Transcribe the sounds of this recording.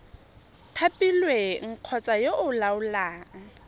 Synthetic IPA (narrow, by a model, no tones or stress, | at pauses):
tʰapʼilweŋ̩q͡χʰɔt͡sʼajoʔʊlaʊlaːŋ̩